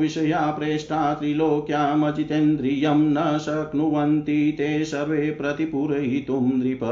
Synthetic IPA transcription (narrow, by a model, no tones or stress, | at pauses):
ʋiʃɐjaːpɾeːʂʈaːt̪ɾiloːkjaːmɐd͡ʒit̪end̪ɾijɐmnɐsɐknuʋɐnt̪it̪eːsɐɾʋeːpɾɐt̪ipuɾɐɦit̪umd̪ɾipɐ